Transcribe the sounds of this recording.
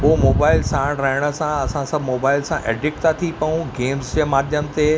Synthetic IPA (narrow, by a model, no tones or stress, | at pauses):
pomoːbaːɪlsaːɽɾɐɦɪɽ̃ə̆sãɐsãsɐbʱɪmoːbaːɪlsãʔḛːɖɪk̚t̪at̪ʰipɐũɡeːmzd͡ʑəmaːd̪ʱjəmt̪e